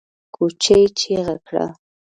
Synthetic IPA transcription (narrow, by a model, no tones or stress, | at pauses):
kʊt͡ʃajt͡ʃɪɢɑkɾa̰